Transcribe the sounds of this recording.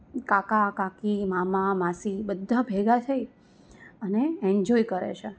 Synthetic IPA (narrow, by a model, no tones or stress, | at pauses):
kakakãkimamãmãsibəd̪ʱːãbʱeɡat̪ʰəj | əneɛ̃ɲd͡ʒoikəɾḛt͡ʃʰe